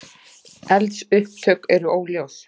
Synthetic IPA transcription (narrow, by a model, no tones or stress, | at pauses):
ɛlt̪sʏhp̚t̪ʰœkɛɾʏoːwljaːws